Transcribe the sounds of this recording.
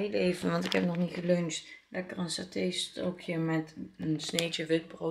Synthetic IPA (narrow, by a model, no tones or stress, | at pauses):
ejlejvənʋɑntɪkɦɛp̚nɔχnitχəløɥnslʔɛkərənsatejstokʰjəmɛtənsnejt͡ʃəʋɪd̚bro